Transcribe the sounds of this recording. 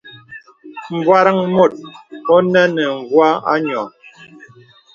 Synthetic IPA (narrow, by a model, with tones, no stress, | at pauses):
m̩˨bwa˦ɾa˦ŋmo˦˨t̚ɔ˦nɛ˦nə˨ŋ̩˨ɡwa˦a̰˦ɲɔ˨